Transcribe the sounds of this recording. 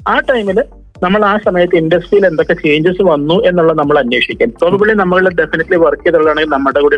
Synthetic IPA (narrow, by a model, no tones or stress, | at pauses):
aːʈːɐjmil | nɐmːɐɭaːsɐmɐjɐt̪ːɨindɐsʈrijile̞nd̪okːe̞t͡ɕe̞ːɲd͡ʑɐsɨʋɐnːue̞nːuɭːɐnɐmːɐɭɐnweːʂikʲːaːnpoðubiɭːinɐmːuɣɐɭɖefiniʈːliʋɐrkːijɐðuɭːɐðaːɳeŋɡilnɐmːɐɽekuːɽi